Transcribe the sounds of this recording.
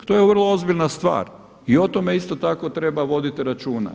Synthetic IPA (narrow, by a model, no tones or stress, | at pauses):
t̪ojeʋr̩lˠoo̞zbiʎnast̪ʋa̰ːɾ | io̞t̪ome̞ist̪o̞t̪ako̞t̪ɾe̞baʋo̞d̪it̪iɾat͡ʃuːna̰